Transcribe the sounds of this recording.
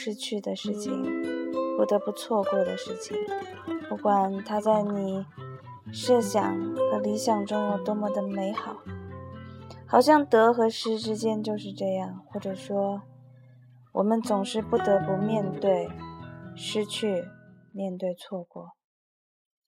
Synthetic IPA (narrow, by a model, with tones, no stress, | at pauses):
ʂɻ̩˥t͡ɕʰy˥˩d̪ə˩ʂɻ̩˥˩t͡ɕʰḭ˩ŋpu˥˩t̪ɤ˧˥pu˧t͡sʰwɔ˥˧kwɔ˥˩d̪ə˨ʂɻ̩˥˩t͡ɕʰi˨˩ŋ | pu˥˩kwa˨˩nt̪ʰa˥t͡sa˥˩ɪni˨˩ | ʂɤ˥˩ɕjɑ̰˨˩ŋxɤ˧˥li˧˥ɕjɑ˨˩ŋʈ͡ʂʊ˥ŋ˧˩t̪wɔ˥mɔ˧˥d̪ə˧me˧˥ɪxɑ˨˩˦ʊ | xɑ˨˩ʊɕ̬jɑ˥˩ŋt̪ɤ˧˥xɤ˧˥ʂɻ̩˧˥ʈ͡ʂɻ̩˥t͡ɕjɛ˥nt͡ɕjo˥˧ʊʂɻ̩˥˧ʈ͡ʂɤ˥˧jɑ˥˩ŋxwɔ˥˩ʈ͡ʂɤ˨˩ʂwɔ˥ | wɔ˨˩mə˧˦nt͡sʊ˨˩ŋʂɻ̩˥˧pu˥˩t̪ɤ˧˥pu˧˥mjɛ˥˧nt̪we˥˩ɪ | ʂɻ̩˥t͡ɕʰy˥˩mjɛ˥˧nt̪we˥˧ɪt͡sʰwɔ˥˩kwɔ˥˩˦